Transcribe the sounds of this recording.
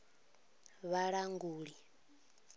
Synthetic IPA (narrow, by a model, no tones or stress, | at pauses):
βaɺaŋɡuːɺi